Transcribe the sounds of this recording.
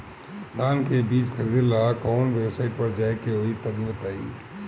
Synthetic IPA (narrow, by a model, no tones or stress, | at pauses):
d̪aːnkebiːt͡ʃxʰəɾiːd̪ɾlakɔːnʋeːbsaːɪʈ̚pɐɾd͡ʒaːekeɦoːit̪ɐbibət̪aːḭː